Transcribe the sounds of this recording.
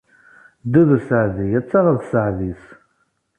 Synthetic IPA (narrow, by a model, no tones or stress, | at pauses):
d̪uðəsəʕðijæt͡sːaʁəɾθsəʕðis